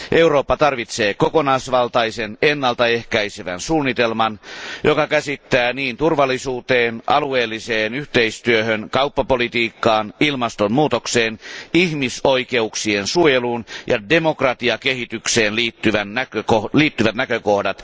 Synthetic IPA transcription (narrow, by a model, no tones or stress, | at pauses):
ʔe̞uroːpːɑt̪ɑrʋit̪seːkokonɑisʋɑlt̪ɑisenenːɑlt̪ɑehkæiseʋæ̰nsuːnːit̪elmɑnjokɑkæsit̪ːæːniːnt̪urʋɑlːˑisuːt̪eːnʔɑlueːlːiseːnyht̪eist̪yøhønkɑupːɑpolit̪iːkːɑːnilmɑst̪ommuːt̪okseːnihmisoike̞uksiensuojeluːnjɑ̰demokrɑt̪iɑkehit̪ykseːnliːt̪ːyʋænːækøkoliːt̪ːyʋæt̪nækøkohdɑt̪